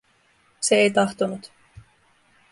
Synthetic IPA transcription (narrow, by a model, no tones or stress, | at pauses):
se̞ejt̪ɑht̪onut̪